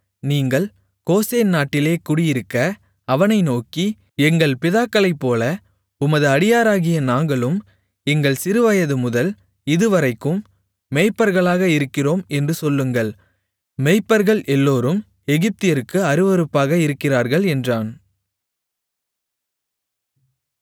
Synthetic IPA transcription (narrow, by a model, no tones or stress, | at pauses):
niːŋɡɐɭ | koːseːnnaːʈːɪleːkʊɽɪjɪɾɯkːɐ | ɐʋɐnɐɪnoːki | ɛŋɡɐɭpɪðaːkːɐɭɐɪpːoːlɐ | ʊmɐðɯɐɽɪjaːɾaːɣɪjɐnaːŋɡɐɭɯm | ɛŋɡɐɭsɪɾɯʋɐjɐðɯmʊðɐl | ɪðɯʋɐɾɐɪkːɯmː | ɛɪpːɐɾɣɐɭaːɣɐɪɾɯkːɪroːmɛndrɯsɔlːɯŋɡɐɭ | mɛɪpːɐɾɣɐɭʔɛlːoːɾɯm | ɛɣɪp̚t̪ɪjɐɾɯkːɯɐɾɯʋɐɾɯpːaːɣɐɪɾɯkːɪraːɾɣɐɭɛndraːn